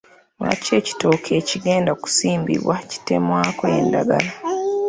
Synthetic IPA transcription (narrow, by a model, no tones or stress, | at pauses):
ma̰ce̞ci̥to̞ːkʰe̞ːciɡe̞ːndaku̥siːmbḭβwaci̥te̞̰mwaːkoḛndaɡala